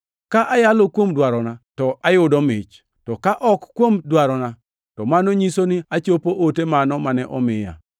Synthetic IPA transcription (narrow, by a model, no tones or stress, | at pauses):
kaʔajalokwomdwaɾɔnatɔʔajʊdɔmɪt͡ʃ | tɔkaʔɔkːwomdwaɾɔna | tɔmanoɲisonɪat͡ʃopoʔotemanɔmanɛʔɔmɪja̰